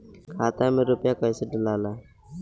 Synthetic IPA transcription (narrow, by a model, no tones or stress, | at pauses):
kʰaːt̪aːmẽːɾʊpjaːkaɪseɖəlaːlaː